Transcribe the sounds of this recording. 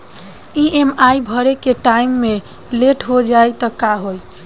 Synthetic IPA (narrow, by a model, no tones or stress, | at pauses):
iemajbʱəɾekeʈajmːe | leʈɦod͡ʒajt̪əkaɦoj